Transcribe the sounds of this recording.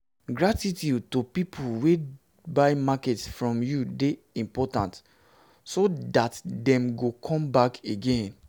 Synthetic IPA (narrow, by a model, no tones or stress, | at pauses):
ɡɹatitutopipʰulwe | baɪmakɛtsfɹɔ̃mjude | ĩmpɔtã̰nt | sodatdɛ̃mɡokʰɔ̃mbakeɡẽn